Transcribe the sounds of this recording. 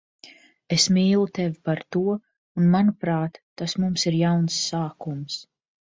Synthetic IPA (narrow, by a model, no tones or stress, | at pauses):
esmiːlˠut̪ɛvipaɾt̪uɔ | unmanupɾaːt̪ːasmumsiɾjawnsːaːkums